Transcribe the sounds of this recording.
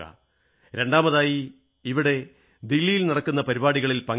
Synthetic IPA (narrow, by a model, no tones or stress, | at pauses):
ɐ̰ | ɾe̞ɳɖaːmɐðaːjiː | ʋiɽe̞ | d̪ilːijilnɐɽɐkːunːɐpɐɾibaːɽiɣɐɭilpɐŋ